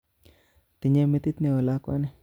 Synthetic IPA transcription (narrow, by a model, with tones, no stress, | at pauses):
t̪i˨ɲe˦me˦t̪i˦t̪ne˨o˨la˦kwa̰˦ne˦˨